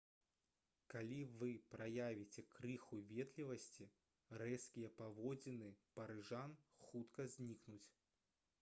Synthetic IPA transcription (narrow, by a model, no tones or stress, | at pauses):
kalʲivɨpɾajavʲit͡sʲɛkɾɨxuvʲɛt̪lʲivɐsʲt͡sʲi | rɛskʲijɛpavɔd͡zʲinɨpɐɾɨʐanxut̪kɐzʲnʲiknut͡sʲ